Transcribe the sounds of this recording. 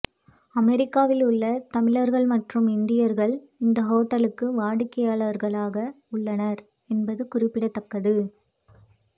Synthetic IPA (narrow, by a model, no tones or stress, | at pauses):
ɐmɛɾɪkːaːʋɪlʊɭːɐt̪ɐmɪɻɐɾɣɐɭmɐʈrɯmɪnd̪ɪjɐɾɣɐɭ | ɪnd̪ɐɦoːʈːɐlɯkːɯʋaːɽɪkːɐjaːɭɐʋɐɾɣɐɭaːɣɐ | ʊɭːɐnɐɾ | ɛnbɐðɯkʊrɪpːɪɽɐt̪ːɐkːɐðɯ